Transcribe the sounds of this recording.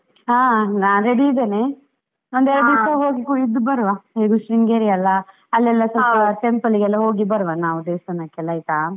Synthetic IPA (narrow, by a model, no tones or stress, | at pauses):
ɦaːnaːnɾeɽiːd̪eːne | ond̪ɛɾɐd̪usɐɦoːɡikuid̪ːubɐɾʋaɦeːɡuʃɾiŋɡeːɾiɐlːɐ | ɐlːɛlːɐsɐpɐʈempɐliɡɛlːɐɦoːɡibɐɾʋɐnaːʋud̪eːst̪ɐnːɐkɛlːɐjit̪a